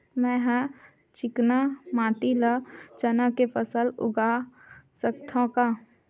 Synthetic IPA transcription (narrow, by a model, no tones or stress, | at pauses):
mɛ̃ɦə̃ | t͡ʃɪknamãːʈilət͡ʃənakepʰəsəlʊ̰ɡa | səkt̪ʰõka